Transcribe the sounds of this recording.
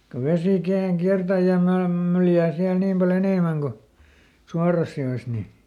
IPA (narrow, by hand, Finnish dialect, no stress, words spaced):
ko ʋesiˑ kerːɑŋ kiærtæ jɑ mɑːm myljæː siæl niːm pɑl eneˑmæŋ ko suɑrɑs joes ni